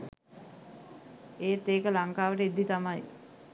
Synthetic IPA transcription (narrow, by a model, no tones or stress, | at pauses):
eːt̪eːkəlaŋkaːʋəʈəid̪ːit̪amaj